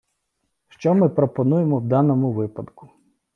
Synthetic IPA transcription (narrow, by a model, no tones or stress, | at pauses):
ʃt͡ʃɔmɪpɾɔpɔnujemɔwd̪ɑnɔmʊʋɪpɐd̪kʊ̥